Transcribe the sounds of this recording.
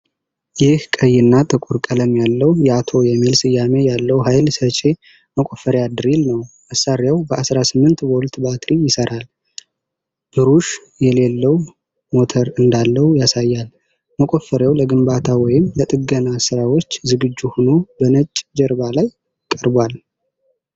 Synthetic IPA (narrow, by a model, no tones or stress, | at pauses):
jɪhkʼəjːɪnːat̪ʼɨkʼuɾkʼələmjalːəwjɛat̪ʰo̞jɛmːilsɨjːame̞jalːəwɦajlsət͡ʃʼe̞ | məkʼofəɾjad̪ɨɾilnəwməsaɾjawbəʔasɾasɨmːɨnt̪wɔlt̪bat̪ʰɾijɪsəɾʔal | b̥ɨɾuʃ | jɛle̞lːəw | mo̞t̪ʰəɾɨnd̪alːəwjasajːal | məkʷʼo̞fːəɾjawləɡɨmbat̪ʰawɔjɪmlət̪ʼɨɡənasɨɾawo̞t͡ʃːzɨɡɨd͡ʒːuhono̞bənət͡ʃʼːd͡ʒɛɾbalaj | kʼəɾbwal